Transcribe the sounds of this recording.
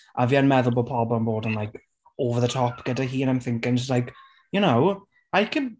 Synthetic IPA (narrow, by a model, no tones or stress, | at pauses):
ʔəviːanmɛðʊlˠbəlˠpʰɔbnboːdə̃nlajk | oːvəðətʰɔpɡ̥ədaɦiːə̃naɪ̃mθɪ̃ŋkɪ̃ŋslajk | jənow | ajkʰəd